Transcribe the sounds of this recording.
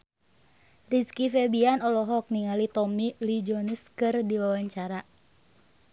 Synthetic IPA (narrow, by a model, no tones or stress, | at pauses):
riskifɛbianɔlɔɦɔk̚niŋalit̪ɔmilid͡ʒɔnəskɨrdiwawaɲt͡ʃaɾa